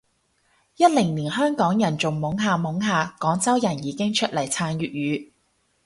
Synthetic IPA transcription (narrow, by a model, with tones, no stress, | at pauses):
jɐ˥t̚lɪ˨˩ŋniː˨˩nɦœː˥ŋkɔː˨˥ŋjɐ˨˩nt͡sʊ˨ŋmʊ˨˥ŋɦaː˨˧mʊ˨˥ŋɦaː˧kɔː˨˥ŋt͡sɐ˥wjɐ˨˩njiː˨˧kɪ˥ŋt͡ʃʰɵ˥t̚lɐ˨˩jt͡sʰaː˧njyː˨t̚jyː˨˧˥